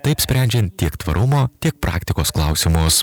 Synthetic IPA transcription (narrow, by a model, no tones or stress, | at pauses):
t̪ɐɪpsʲpʲæˑnʲd͡ʒʲɛnt̪t̪ʲiɛkt̪ʋɐ̰ɾʔʊmoːt̪ʲiɛk̚pɾʔɑ̰ːkt̪ʲɪkoːsklˠɐˑʊsʲɪmʊs